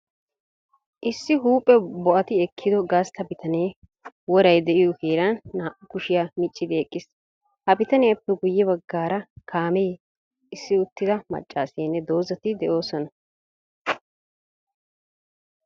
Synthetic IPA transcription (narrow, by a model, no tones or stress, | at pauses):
ʔɪsːɪɦuːpʼːɛbɔʔɐt̪ɪɛkʰːɪd̪ɔɡɐst̪ɐbɪt̪ʰɐneː | wɔɾɐjd̪ɛʔɪjɔkeːɾɐnːaːʔʊkʊʃɪjamɪt͡ʃʼːɪd̪ɪɛkʼːɪs | hɐbɪt̪ɐnɪɐpːɛɡʊjːɛbɐɡːaːɾɐkʰaːmeː | ɪsːɪʊt̪ːɪd̪ɐmɐ̰t͡ʃʼːaːseːnːɛd̪o̞ːzɐt̪ɪd̪ɛʔo̞ːsɔnɐ